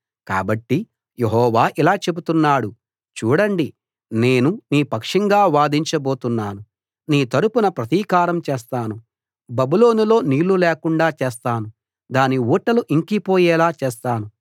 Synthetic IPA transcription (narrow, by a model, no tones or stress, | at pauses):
ka̰ːbɐʈːi | jeɦɔːʋaːʔilaːt͡ʃe̞but̪unːaːɽu | t͡ʃuːɽɐɳɖi | ne̞ːnuniːpɐkʂɐŋɡaːʋaːd̪iɲt͡ʃɐbo̞ːt̪unːaːnu | niːt̪ɐɾupunɐpɾɐt̪iːkaːɾɐmt͡ʃeːst̪aːnu | bɐbulo̞ːnilo̞ːniːɭːuleːkuɳɖaːt͡ʃeːst̪aːnu | d̪aːniuːʈːɐluʔiŋkipo̞ːjɛːlaːt͡ʃeːst̪aːnu